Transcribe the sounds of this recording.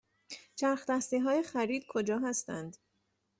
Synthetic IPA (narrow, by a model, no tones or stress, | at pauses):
t͡ʃʰæɾxt̪æst̪iːɦɒːjexæɾiːd̪̥̚kʰod͡ʒɒːɦæst̪ænd̪